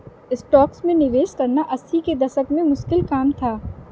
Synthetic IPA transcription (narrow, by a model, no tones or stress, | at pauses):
ɪsʈɔːksmẽnɪʋeːʃkɐɾnaʔɐsiked̪ɐʃəkmẽmʊʃkɪlkaːmt̪ʰaː